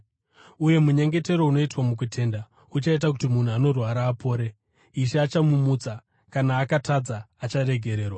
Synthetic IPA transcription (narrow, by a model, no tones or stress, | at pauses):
uje̞muɲe̞ŋɡe̞te̞ɾo̞uno̞itwamuk̬utʰe̞ːnda | ut͡ʃait̬ak̬utimun̤uano̞rwaɾaːpo̞ːɾe̞ | iʃeat͡ʃamumut͡sa | kanaːkatad͡zaːt͡ʃaɾe̞ɡʱe̞ɾe̞ːrwa